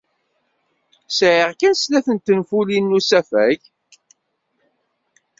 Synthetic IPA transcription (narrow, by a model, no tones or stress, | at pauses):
sʕɪʁkænslæθənt̪ːənfulinːusæfæʝ